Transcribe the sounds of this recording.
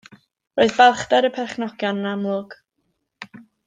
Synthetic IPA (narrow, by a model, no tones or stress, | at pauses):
roːɨðbɛlˠχdɛɾəpʰɛrχnɔɡ̥jɔnːamlʊɡ̥